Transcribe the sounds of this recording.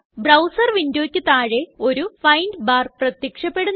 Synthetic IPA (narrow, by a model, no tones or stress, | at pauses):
brɐwsɐrʋindjoːkʲːɨt̪aːɻe̞o̞ɾufɐjndbaːrprɐt̪jɐkʂɐpːe̞ɽunː